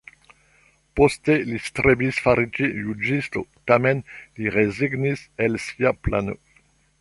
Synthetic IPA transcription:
postelistɾebisfaɾit͡ʃijud͡ʒisto̰tamenliʁeziɡniselsiapla̰no̰

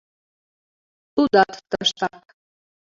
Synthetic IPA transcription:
t̪ud̪ɑt̪t̪əʃt̪ɑk

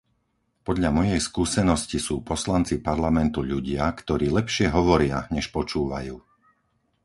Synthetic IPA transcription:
pɔd̪ʎamɔjɛjskuːsɛnɔscisuːpɔslant͡sipaɾlamɛnt̪uʎuɟɪakt̪ɔɾiːlɛpʃɪɛɦɔʋɔɾɪaɲɛʃpɔt͡ʃuːʋa̰juː

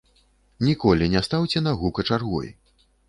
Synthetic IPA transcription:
nʲikɔlʲinʲast̪awt͡sʲɛnaɣukɐt͡ʂarɣɔ̰j

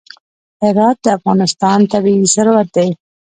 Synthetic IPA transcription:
hɪɾɑt̪̚d̪əafɣɑnɪst̪ɑnt̪abiisəɾwat̪̚d̪ej

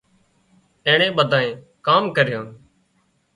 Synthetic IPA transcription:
ẽːɳẽːɓəd̪ʱãːẽː | kaːmkəɾɪjõːn

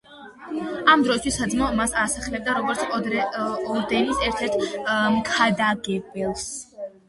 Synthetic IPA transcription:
amd̪ɾɔist̪ʰwisːad̪zmɔmasasaχɛlɛb̚d̪aɾɔɡɔɾt̪sʰ | ɔɾd̪ɛnisɛɾt̪ʰɛɾt̪ʰmkʰad̪aɡɛbɛlˠs

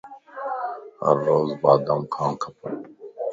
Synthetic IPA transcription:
hɐ̰ɾːoːzbaːd̪amkʰãːnkʰɐpʰən

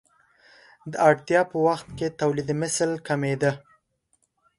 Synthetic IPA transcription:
d̪əaɽt̪jɑpəwaxt̪̚ket̪awlid̪mɪslkamed̪ə

